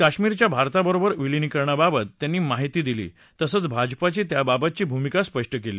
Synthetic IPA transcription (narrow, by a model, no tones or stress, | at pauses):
kaɕmiːɾt͡ɕjabʱaɾt̪abəɾobəɾʋilinikəɾɳababət̪ːjanːiːmaɦit̪iːd̪ilḭː | t̪əsət͡sbʱad͡ʑpat͡ɕiːt̪jababət̪̚t͡ɕiːbʱumikaspəʂʈəkelḭː